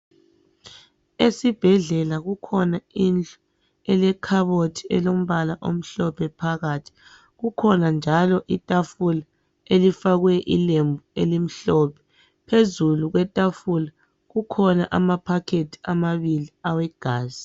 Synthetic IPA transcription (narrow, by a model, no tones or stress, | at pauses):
esib̥ʱɛɮɛlaɣukʰɔnaind͡ɮɔ̥ | ɛlɛkʰaβotʰiɛlom̩βalaʔom̩ɬɔpʰɛpʰaɣatʰi̥ | ɣukʰɔnand͡ʒʱalɔʔitʼafula | elifaɣwɛʔilembʱuelim̩ɬɔpʰɛ̥ | pʰezuluɣwɛtʼafula | ɣukʰɔnaʔamapʰakʰetʰi̥amaβiliawɛɡ̥ʱaːzi